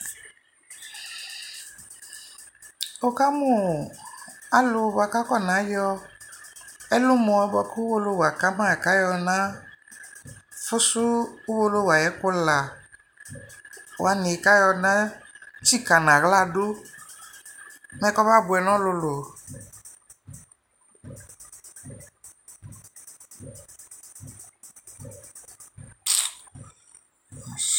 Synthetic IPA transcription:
o˨ka˦mu˦˨a˨lʊ˨ba˨ka˦kɔ˦˨nã˨˦jɔ˧ | ɛ˦lʊ˦mɔ̃˨ɛ˦bɔ˧ku˦u˦wo˧lo˦˨wa˨ka˦mã˦˨ka˦jɔ˧nã˦ | fʊ˦sʊ˦u˦wo˧lo˦˨wa˨jɛ˨˦kʊ˦la˨ | wa˨nĩ˨ka˦jɔ˧nã˦t͡ʃi˦ka˨nã˨ɣla˦ɖo˦ | mɛ̃˦kɔ˦ba˦˨bu˨ɛ˨nɔ̃˦lo˧lo˨

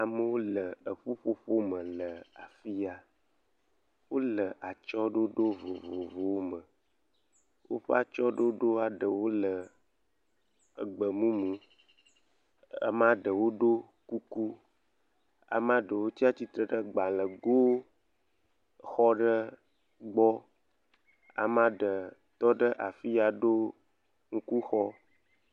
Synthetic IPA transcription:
a˨mə˦wo˦lə˨ə˨ɸo˦ɸo˦ɸo˦mə̃˨lə˨a˨fi˦a˨ | wo˦lə˨ʔa˨t͡ʃɔ˦ɖo˦ɖo˦vo˨vo˨vo˨wo˦mə̃˨ | wʔo̰˦ɸə˦a˨t͡ʃɔ˦ɖo˦ɖo˦a˨ɖə˨wo˦lə˨ | ə˨ɡ͡bə˨mũ˦mũ˦ | ə̰˦mã˦ɖə˨wo˦ɖo˦ | ku˦ku˦ | a̰˨mã˦ɖə˨wo˦t͡ɕi˦a˦t͡ɕi˦t̪ɾə˨ɖə˦ɡ͡ba˨lə˨ɡo˦w | xɔ˦ɖə˦ | ɡ͡bɔ˦ | a̰˨mã˦ɖə˨t̪ɔ˦ɖə˦ʔa˨fi˦a˨ɖo˦ | ŋ̩˦ku˦xɔ˦

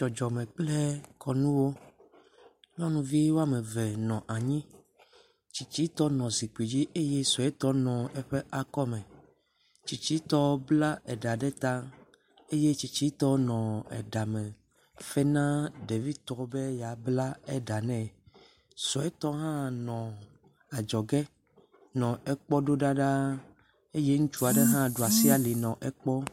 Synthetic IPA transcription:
t͡ʃɔ˨d͡ʒɔ˨mɛ̃˨k͡plɛ˦kʰɔ˨nũ˦wo˦ | lɔ˦nũ˦vi˦wo˦a˦mɛ̃˨vɛ˨nɔ̃˨ʔa˨ɲĩ˦ | t͡ɕi˨t͡ɕi˦t̪ɔ˦nɔ̃˨zi˨k͡pi˨d͡ʑi˦ʔe˦je˦sɔ˨ɛ˦t̪ɔ˦nɔ̃˨ɛ˦ɸɛ˦ʔa˨kɔ˦mɛ̃˨ | t͡ɕi˨t͡ɕi˦t̪ɔ˦bla˦ʔɛ˨ɖa˨ɖɛ˦t̪ã˦ | e˦je˦t͡ɕi˨t͡ɕi˦t̪ɔ˦nɔ̃˨ɛ̰˨ɖa˨mɛ̃˨ | fɛ˦nã˦ɖe˨vi˦t̪ɔ˨be˦ja˨bla˦ɛ˦ɖa˨nɛ̃˦ | sɔ˨ɛ˦t̪ɔ˦ɦã˦nɔ̃˨ | a˨d͡ʒɔ˨ɡɛ˦ | nɔ̃˨ɛ˨k͡pɔ˦ɖo˦ɖa˦ɖa˦ | e˦je˦ŋũ˦t͡ʃu˦a˨ɖe˦ɦã˦ɖo˨a˨si˦a˨li˨nɔ̃˨ʔɛ˨k͡pɔ˦

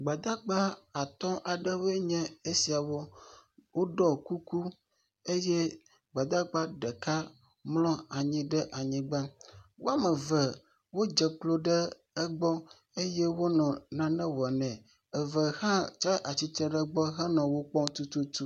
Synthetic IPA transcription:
ɡ͡ba˨d̪a˦ɡ͡ba˦a˨t̪ɔ̃˦ʔa˨ɖɛ˦we˦ɲɛ̃˦e˦si˨a˨wɔ˦wo˦ɖɔ˦ku˦ku˦ | e˦jɛ˦ | ɡ͡ba˨d̪a˦ɡ͡ba˦ɖɛ˨ka˦ | mlɔ̃˦a˨ɲĩ˦ɖɛ˦ʔa˨ɲĩ˦ɡ͡ba˦wo˦a˦mɛ̃˨vɛ˨ | wo˦d͡ʒɛ˨k͡plo˦ɖɛ˦ | ɛ˦ɡ͡bɔ˦ | e˦jɛ˦wo˦nɔ̃˨nã˦nɛ̃˦wɔ˨ɛ˨nɛ̃˨ | ɛ˨və˨hã˦t͡ʃɛ˦ʔa˨t͡ɕi˦t̪ɾɛ˦ɖɛ˦ɡ͡bɔ˦ɦɛ˦nɔ̃˨wo˦k͡pɔ˦ŋt̪u˦t̪u˦t̪u˦

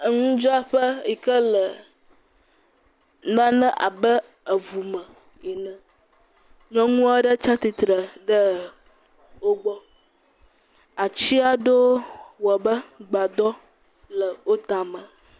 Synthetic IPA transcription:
ə˨ŋũ˦d͡ʒɔ˦a˦ɸə˦i˨kə˦lə˨ | nã˦nə̃˦ʔa̰˨bə˦ | ə˨vu˨mə̃˨ | ɛ˨nə̃˨ | ɲɔ̃˦ŋũ˦a˦ɖə˦t͡ʃa˦t̪i˨t̪ɾə˨ɖə˦ | wo˦ɡ͡bɔ˦ | a˨t͡ɕi˦a˨ɖo˦wɔ˨a˨bə˦ɡ͡ba˨d̪ɔ˦ | lə˨wo˦t̪a˨mə̃˨

